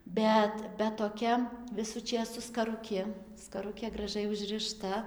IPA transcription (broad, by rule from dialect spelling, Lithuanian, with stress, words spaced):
ˈbʲɛt bʲɛt toːˈkʲɛ ˈʋʲɪsuː ˈt͡ʃʲeːs sʊ skɐrʊˈkʲɪ skɐˈrʊkʲeː ɡrɐˈʒɐɪ ʊʒˈrɨʃtɐ